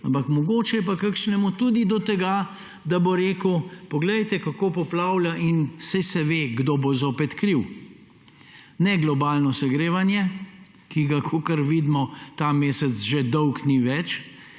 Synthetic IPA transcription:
ampɐkmɔɡoːt͡ʃɛjɛp̬akakʃnɛmut̪ud̪id̪ɔt̪ɛɡa | d̪aboɾeːkəwpɔɡlɛjt̪ɛkakoːpɔplawljaʔinsajsɛʋeːɡd̪obozoːpɛt̪kɾiw | nɛɡlɔbaːlnɔsɐɡɾeːʋanjɛ | kiɡakʰokəɾʋiːd̪mɔt̪ameːsɛzʒed̪ɔwkniʋɛt͡ʃ

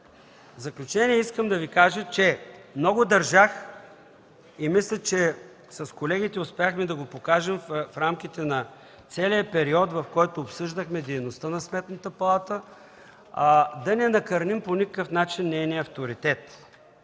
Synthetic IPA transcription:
vzɐklʲʊt͡ʃɛniɛiskəmd̪ɐvikaʒət͡ʃɛmnɔɡʊd̪ɐɾʒax | imislʲɛt͡ʃɛ | sɐskolɛɡit̪ɛʊspɛjaxmɛd̪ɐɡopokaʒɛmffɾamk̟it̪ɛnɐ | t̪sɛlijəpɛɾiɔt̪vɐfkɔjt̪oːpsɤʒd̪əxmɛd̪ɛjnost̪ənɐsmɛt̪nət̪əpɐlˠat̪ə | d̪ɐnɛnɐkɐɾnimponʲikə̥kəfnat͡ʃinːɛjniəɐft̪oɾit̪ɛt̪

